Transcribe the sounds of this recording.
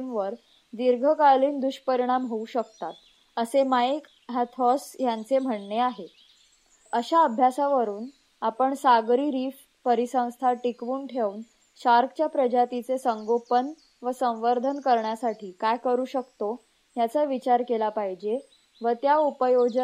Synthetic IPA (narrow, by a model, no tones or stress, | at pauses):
mʋəɾ | d̪iɾɡʱəkaliːnd̪uɕpəɾiɽ̃amɦouɕəkt̪at̪ | əsemajk | ɦat̪ʰɔsjant͡sem̤əɳneaɦe | əɕaəbʱjasaʋəɾuːn | apəɳsaɡɾiːɾiːf | pəɾisə̃w̃st̪ʰaʈikʋuːɳʈʰeun | ɕaɾkʰt͡ɕjapɾəd͡ʑat̪it͡sesəŋɡopən | ʋəsə̃w̃ʋəɾd̪ʱənkəɾɳjasaʈʰiːkajkəɾuːɕəkt̪o | ɦjat͡saʋit͡ɕaɾkelapaɦid͡ʑe | ʋət̪jaupəjod͡ʑ